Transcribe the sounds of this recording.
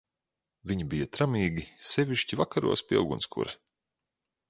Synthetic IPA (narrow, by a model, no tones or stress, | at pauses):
vʲiɲibijat̪ɾamiːɡʲisevʲiʃcʲivakaɾṵɔspʲiḭlˠɡunskṵɾɛ